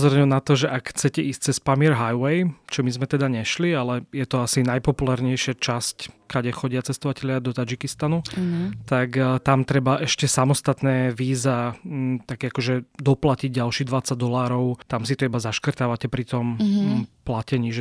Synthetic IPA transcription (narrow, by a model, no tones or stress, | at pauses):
pɔzɔɾɛɲɛnat̪ɔʒɛʔakxt͡sɛcɛʔiːst͡sɛspamiɛɾɦajwɛjt͡ʃɔmizmɛt̪ɛd̪aɲɛʃlialɛjɛt̪ɔasinajpɔpulaːɾɲɛjʃɪat͡ʃasckaɟɛxɔɟɪat͡sɛst̪ɔʋacɛlɪad̪ɔt̪ad͡ʒikist̪anut̪akt̪amt̪ɾɛbaʔɛʃcɛsamɔst̪at̪nɛːʋiːzat̪akɛakɔʒɛd̪ɔplaciɟ̚ɟalʃiːd̪ʋat͡saɟd̪ɔlaːɾɔʊt̪amsit̪ɔibazaʃkrt̪aːʋacɛpɾit̪ɔm | placɛɲiːʒɛ